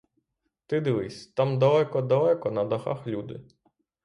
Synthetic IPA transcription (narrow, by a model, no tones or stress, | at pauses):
t̪ɪd̪ɪʋɪsʲt̪ɑmd̪ɐlˠɛkɔd̪ɐlˠɛkɔnɐd̪ɐxa̰xlʲud̪ɪ̰